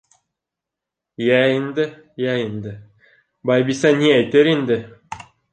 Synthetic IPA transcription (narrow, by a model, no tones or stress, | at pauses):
jæind̪ɘ | jæind̪ɘ | bɑjbisɑnʲiæjt̪eɾind̪ɘ